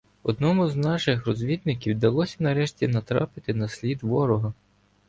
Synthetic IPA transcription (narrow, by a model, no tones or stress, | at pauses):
ɔd̪nɔmʊznɑʃɪxrɔzʲʋʲid̪nɪkʲiwd̪ɐlˠɔsʲɐnɐɾɛʃtʲinɐt̪ɾɑ̰pɪt̪ɪnɐsʲlʲid̪ʋɔɾɔɦɐ